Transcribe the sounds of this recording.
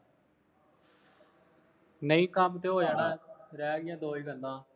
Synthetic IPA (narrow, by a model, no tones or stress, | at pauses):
nəĩːkamt̪eːɦoːjaːnãːɾɛːɡɪjãːd̪oːiːɡənd̪ãː